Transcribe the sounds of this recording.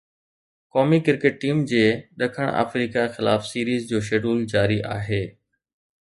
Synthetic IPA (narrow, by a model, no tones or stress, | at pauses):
kɔːmikɪɾkeʈ̚ʈiːmd͡ʑeːɗɐkʰəɽ̃a̰ːfɾiːkaxɪlaːfsiːɾiːzd͡ʑoːʃ̬eːɖuːld͡ʑaːɾiʔa̰ːɦeː